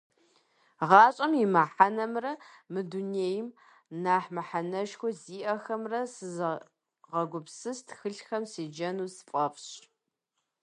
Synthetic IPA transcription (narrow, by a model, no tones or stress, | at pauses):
ʁɑːɕʼɐmimaħanɐmrɐmɨduneːjm | naːħmaħanɐʃxʷɔziːʔɐxɐmrɐsɨz | ʁɐɡʷʊpsɨstʰxɨɬxɐmsiːd͡ʒɐnuːspʼɐpɕ